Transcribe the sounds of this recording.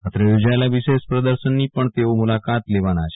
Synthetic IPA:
at̪ɾəjod͡ʒaelaʋiʃeʃpɾəd̪əɾʃənːipəɳt̪eomulakat̪leʋanat͡ʃʰ

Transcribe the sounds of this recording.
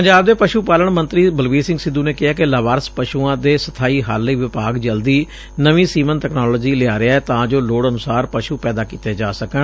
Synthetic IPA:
pəɲd͡ʒaːbd̪eːpəʃuːpaːləɳmə̃nt̪ɾiːbəlʋiːsɪ̃ŋɡsɪd̪ːũːneːkɪaːkɪlaːʋaːɾəspəʃuːãːd̪eːsət̪ʰaːiːɦa̰ːlːəiːʋɪpaːɡd͡ʒəld̪iː | nəʋiːsiːmənt̪ɛknaːloːd͡ʒiːlɪaːɾɪaːɛːt̪ãːd͡ʒoːloːɽənʊsaːɾpəʃuːpɛːd̪aːkiːt̪eːd͡ʒaːsəkən

